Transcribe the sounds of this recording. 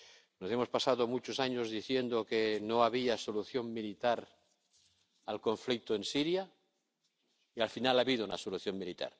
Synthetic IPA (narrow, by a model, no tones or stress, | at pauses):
nosemo̞spasaðomut͡ʃosaɲozðiθje̞nd̪okenoaβiasoluθjo̞mmilit̪aɾ | alko̞ɱflik̚t̪oensiɾja | ialfinalaβiðouna̰soluθjo̞mmilit̪a̰ɾ